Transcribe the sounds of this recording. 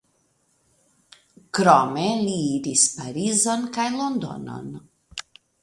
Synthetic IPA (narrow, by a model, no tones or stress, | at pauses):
kɾɔmɛliːd̪ispaɾizɔnkajlond̪ɔ̰nɔ̰n